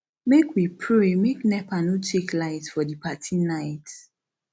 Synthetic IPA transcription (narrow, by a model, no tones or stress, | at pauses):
mekwipʰɹemeknɛpãnutʰeklaɪtfɔdipʰatʰĩnaɪt